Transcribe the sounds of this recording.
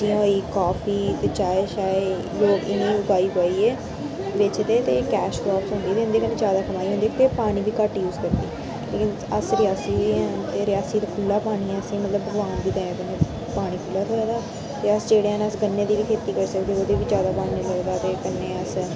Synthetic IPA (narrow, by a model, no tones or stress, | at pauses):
d͡ʒĩːɦoːiːkaːpʰiːt̪eːt͡ʃaːeʃaːe | joːɪnĩːʊɡaːiːpoːiːɛː | ʋɪt͡ʃt̪eːt̪eːkɛːʃkɾɔːpsɦõnd̪iɛːt̪eɪ̃nd̪eːkənːẽːd͡ʒjaːd̪aːkəmaːiɦõnd̪iːt̪eːpaːɽ̃iːʋiːkəʈːjuːzkəɾd̪iː | leːkɪn | əsɾɪjaːsiːɦoiɛːt̪eːɾɪjaːsiːt̪aːkʰʊlːaːpaːɽ̃iːɛːəsĩːmət̪ləbːəɡʋaːnd̪iːt̪ɛ̃ːẽːkənːẽː | paːɽ̃iːkʰʊlːaːt̪ʰoːɾaːd̪aː | t̪eːəsd͡ʒeːɽeːɛːnːəsɡənːeːd̪iːʋiːkʰeːt̪iːkəɾsəkːd̪eːoːd̪eːʋiːd͡ʒjaːd̪aːpaːɽːeləɡd̪aːt̪eːkənːeːəs